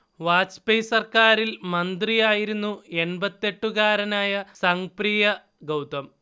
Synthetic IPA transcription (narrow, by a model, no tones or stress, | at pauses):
ʋaːt͡ɕpejsɐrkaːɾilmɐnd̪rijaːjiɾunːue̞ɳbɐt̪ːe̞ʈːuɣaːɾɐnaːjɐsɐŋprijɐ | ɡɐwt̪ɐm